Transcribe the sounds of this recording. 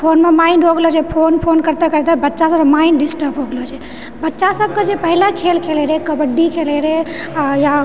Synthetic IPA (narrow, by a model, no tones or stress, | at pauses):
pʰonmemaɪnɖɦoɡlot͡ʃʰɛpʰonpʰonkəɾt̪ekəɾt̪ebətːʃasəbmaɪnɖɖisʈəɾpɦoɡlot͡ʃʰɛ | bətːʃasəb̚ked͡ʒepəɦilakʰelkʰeleɾekəbəɖːikʰeleɾe | ja